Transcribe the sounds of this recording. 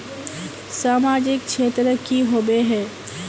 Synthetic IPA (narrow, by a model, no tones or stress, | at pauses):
saːmaːd͡ʒɪk̚t͡ʃʰeːt̪ɾəkiɦoːbeɦɛː